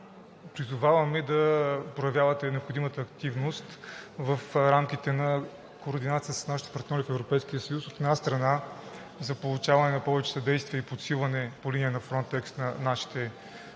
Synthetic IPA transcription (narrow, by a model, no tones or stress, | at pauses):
pɾizʊvavɐmɛd̪ɐpɾojɐvʲjavɐt̪ɛnɛopxod̪imət̪əːkt̪ivnost̪vəfɾamkʲit̪ɛnɐ | koːɾd̪inat̪sijəsəsnaʃit̪ɛ̥pɐɾt̪nʲɔɾifɛvɾopɛjsk̟ijəsɐjusot̪ɛd̪ast̪ɾɐna | zɐpolˠut͡ʃavɐnɛnɐpɔvɛt͡ʃɛ̥sɐd̪ɛjst̪vijəipot̪silˠɐnɛpoliniənɐfɾɔnt̪ɛkst̪nɐnaʃi̥t̪ɛ